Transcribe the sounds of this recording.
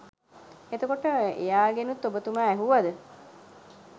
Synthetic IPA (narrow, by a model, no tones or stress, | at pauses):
et̪əkoʈəḛjaːɡenut̪ːobət̪umaːɛɦuʋad̪ə